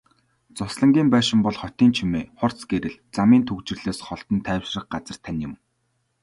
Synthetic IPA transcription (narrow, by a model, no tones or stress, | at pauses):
t͡sʊsɮə̆ŋɡʲiːmpæːʃɪ̆mpɔɮχɔt̪iːnt͡ɕʰimeːχɔr̥t͡sɡeɾɘ̆ɮt͡samiːnt̪ʰɵkt͡ɕɪ̆rɮ̥eːsχɔɬt̪ɞ̆nt̪ʰæːwʃrə̆χɢat͡sə̆r̥t̪ʰːænjʊ̆m